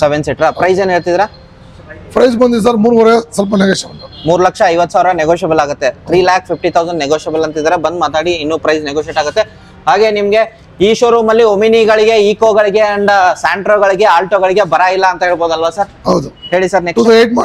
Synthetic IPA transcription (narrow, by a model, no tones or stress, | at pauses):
seʋenseʈɾapɾɐjzeːneɭt̪id̪iɾɐ | pɾɐjzbɐnd̪id̪s̬ɐɾmuːɾuʋɐɾɛɐsɐlp̬ɐneɡoːʃɐbɐlmuːɾulɐkʂɐːjʋɐt̪ːsaːʋɾɐneɡoːʃɐbɐlaːɡut̪ːe̞t̪ʰɾiːlaːkspʰip̚ʰʈit̪ʰɐwzɐɳɖneɡoʃɐbɐlɐnt̪id̪iɾebɐnd̪maːt̪aːɽiːnːuːpɾɐjzneɡoʃieːʈaːɡut̪ːe | ɦaːɡe̞ːnimɐɡe̞ | iːʃoːɾuːmɐlːiominiɡɐɭiɡe̞iːkoːɡɐɭiɡe̞ɐɳɖsaːɳʈɾoːɡɐɭiɡe̞aːlʈoːɡɐɭiɡe̞bɐɾailːɐːnt̪ɐɦeːɭboːd̪ɐlʋasɐɾɦɐwd̪uɦe̞ːɭisɐɾneueʈa